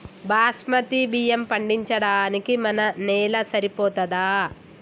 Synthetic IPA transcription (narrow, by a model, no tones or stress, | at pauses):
baːsmɐt̪ibijɐmpɐɳɖiɲt͡ʃɐɽaːnikimɐnɐnɛːlɐsɐɾipɔːt̪ɐd̪aː